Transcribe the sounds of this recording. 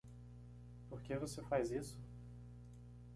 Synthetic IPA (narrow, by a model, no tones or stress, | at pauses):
poɾkevosefajzisʊ̥